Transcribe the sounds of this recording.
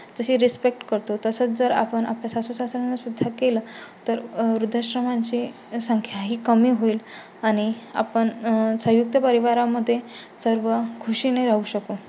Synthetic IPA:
d͡zəɕiːɾispek̚ʈkəɾt̪ot̪əsət͡sd͡zəɾa̰pəɳa̰pljasasusasɾanːasud̪ʱːakelət̪əɾɾud̪ʱəɕɾəmaɲt͡ɕi | səŋkʰjaɦiːkəmiːɦoiːl | aɽ̃ia̰pəɳsə̃ɦjuk̚t̪əpəɾiʋaɾaməd̪ʱːjesəɾʋəkʰuɕineɾaɦuɕəko

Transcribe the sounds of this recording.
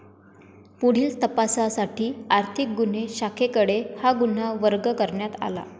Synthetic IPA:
puɽ̤iːlt̪əpasasaʈiːaɾt̪ʰik̚ɡun̤eɕakʰekəɽehaɡun̤aʋəɾɡəkəɾɳjat̪a̰la̰

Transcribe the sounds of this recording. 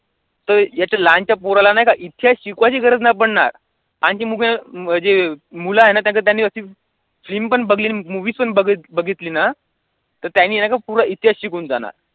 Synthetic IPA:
t̪əɾjat͡ɕalãnt͡ɕjapoɾalanaɦjkaʔit̪ʰijaɕikʋat͡ɕiːɡʱəɾəd͡znap̬əɽɳa̰ɾ | ãɲt͡ɕiːmuɡm̤əd͡zemulaɦenat̪jãkət̪janːiːəsiː | fliːmpəɳbəɡliːnimuʋiːspəɳbəɡit̪bəɡʱit̪liːna | t̪əɾt̪janːiːenakapuɾait̪jaɕikuund͡za̰na̰ɾ

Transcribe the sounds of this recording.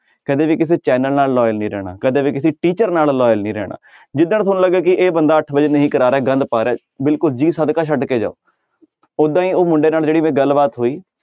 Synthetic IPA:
kəd̪eːʋiːkɪs̬eːt͡ʃɛːnəlnaːlːɔːjəlnĩːɾɛ̰ːɽa̰ːkəd̪eːʋiːkɪsiːʈiːt͡ʃəɾnaːlːɔːjəlnĩːɾɛ̰ːɽa̰ː | d͡ʒɪd̪ãːnsʊnləɡaːkɪʔeːbənd̪aːəʈʰbəd͡ʒeːnəɦĩːkəɾaːɾɛːɡə̃nd̪paːɾɛː | bɪlkʊld͡ʒiːsəd̪kaːʃʰəɖkeːd͡ʒa̰ːo̰ː | od̪ãːiːoːmʊɳɖeːnaːld͡ʒeːɽiːmẽːɡəlːbaːt̪ɦoːiː

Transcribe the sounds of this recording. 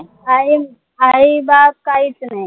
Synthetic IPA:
aɦi | aɦibap̚kaɦit͡snai

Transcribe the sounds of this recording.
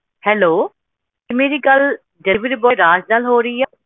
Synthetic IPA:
hɛːloː | ɪmeːɾiːɡəl | ɖɪʋɪɾbɔːɾaːd͡ʒd̪alɦoːɾəiːa

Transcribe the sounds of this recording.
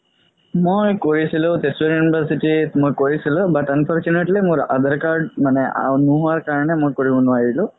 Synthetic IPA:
mujkoɾisʰilot̪esʋeɾjunibəɾsiʈimujkoɾisilɔbat̪anpʰɔɾt͡ʃuneʈlemuɾəd̪əɾkaɾɖmanea̰nuɦuʋaɾkaɾɳ̃emujkɔɾiɦunũaɦilu

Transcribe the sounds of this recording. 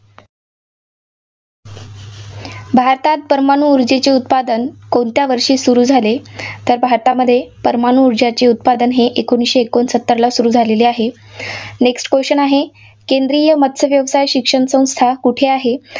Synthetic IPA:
bʱaɾt̪at̪̚pəɾmanuːɾd͡ʑet͡ɕeut̪̚pad̪ənkoɳt̪jaʋəɾʂiːsuɾuːd͡zʱalet̪əɾbʱaɾt̪aməd̪ʱːjepəɾmanuːɾd͡ʑat͡ɕeut̪̚pad̪ənɦeʔekoɳ̃isɕeːkonsət̪ːəɾlasuɾuːd͡zʱaleliaɦe | neksʈkʋeɕənaɦe | kend̪ɾijəmət̪səʋjəʋsajɕikʂəɳsə̃w̃st̪ʰakuʈʰeaɦe

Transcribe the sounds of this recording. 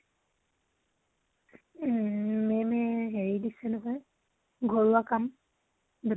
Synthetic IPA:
memeɦeɹidisenɔɦɔj | ɡʱoɹuakam | d̪

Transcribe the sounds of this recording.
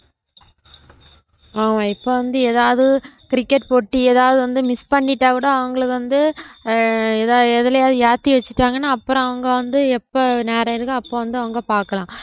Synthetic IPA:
aːmãːɪpːoːʋɐnd̪ɯeːðaːʋðɯkɪɾɪkːɛʈpoʈːɯeːðaːʋðɯʋɐnd̪ɯmɪspɐɳːɪʈːaːkuːɽɐɐʋɐŋɡɐɭɯkːɯʋɐnd̪ɯ | ɛðaɛðɪlɐjaːðɯjaːt̪ːiʋɐt͡ʃːɪʈːaːŋɡɐnːaːɐpːɯɾɔ̃ɐʋɐŋɡɐʋɐnd̪ɯɛpːoneːɾɐɪɾɯkːɐɐpːoːʋɐnd̪ɯɐʋɐŋɡɐpaːɾkɐlãː

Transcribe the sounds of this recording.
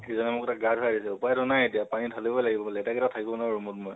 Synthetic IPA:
xejzɔnɛmʊkɛtak̚ɡatʰadisɛupajdɔnajetijapanitʰalibɔjlaɡibɔpalɛːtakɛtatʰakibɔnaɹumɔtmɔj

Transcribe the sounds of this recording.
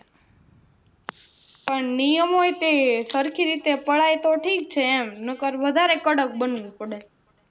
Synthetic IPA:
pəɳnijəmoet̪esəɾkʰiɾit̪epəɭajt̪oʈʰik̚t͡ʃʰeːmnəkəɾʋəd̪ʱaɾekəɽək̚bənʋũpəɽe

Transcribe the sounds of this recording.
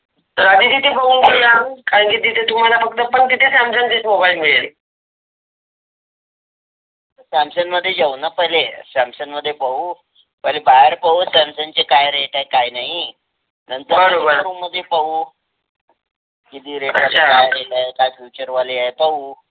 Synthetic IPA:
naəd̪it̪it̪ʰepəuːnɡelakaɾə̃ŋkit̪it̪et̪um̤alafək̚t̪əpəɳt̪it̪ʰesamsənt͡ɕesobajmeɭel | t̪əɾsamsənməd̪ʱːjed͡zaunapəɦilesamsənməd̪ʱːjepəu | pəjlebaɦəɾpausamsənt͡ɕekajɾeʈajkajnaɦi | nənt̪əɾbʱəɽ̃obənuməd̪ʱːjepəuː | ɡid̪iːɾeʈəat͡ɕaajelaekajfjut͡ɕəɾʋalejajpəuː

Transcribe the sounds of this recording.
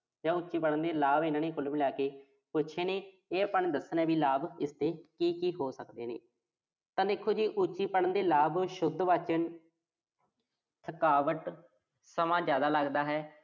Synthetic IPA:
d͡ʒãːʊːt͡ʃːiːpəɽənd̪eːlaːbɪnaːneːkʊlmɪljaːkeː | pʊt͡ʃʰeːnẽː | eːəpəɳd̪əsənɛːbiːlaːbɪst̪eːkiːkiːɦoːsəkd̪ḛːnḛː | t̪ãːd̪eːkʰːoːd͡ʒiːʔut͡ʃiːpəɽənd̪eːlaːbʃʊd̪ʋaːt͡ʃən | t̪ʰəkaːʋəʈ | səmãːd͡ʒjaːd̪aːləɡd̪aːɦɛː

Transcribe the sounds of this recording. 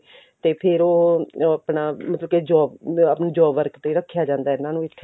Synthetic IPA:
t̪eːpʰɪɾoːəpnaːmət̪ləbkeːd͡ʒɔːbapnaːd͡ʒɔːbʋəɾkt̪eːɾəkʰːjaːd͡ʒãːnd̪aːɛnãːnũːɪt̪ʰː

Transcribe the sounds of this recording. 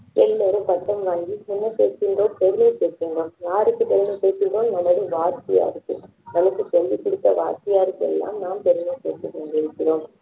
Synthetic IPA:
ɛlːɐɾɯpɐt̪ːɐmʋaːŋɡimʊnːɐpeːskɪndroːpɛɾɪnɐpeːɾkɪndroːmjaːɾɯkːɯp̪ɛɾɪnɐpeːsɪnroːmnɐmːɐɽɯʋaːɾt̪ɪja̰ːɾɯkːɯ | nɐmɐkːɯsɔlːikːʊɽɯt̪ːɐʋa̰ːɾtɪjaːɾɯkːɯɛ̰lːa̰ːmnaːmp̪ɛɾɪnɐpḛːt̪ːɯkɐɳɡɪɽɯkːɪroːm

